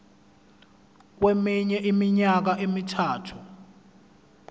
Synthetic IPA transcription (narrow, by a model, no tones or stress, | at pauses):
k̬wemiɲɛʔimiɲak̬aʔemitʰaːtʰu